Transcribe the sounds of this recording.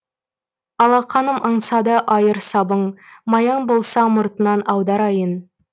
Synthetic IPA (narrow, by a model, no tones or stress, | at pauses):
ɑlˠɑχɑnəmɑɴsɑd̪əʔɑjəɾsɑbəɴmɑjɑɴbo̞lˠsɑmʊɾt̪ənɑnɑwd̪ɑɾɑjən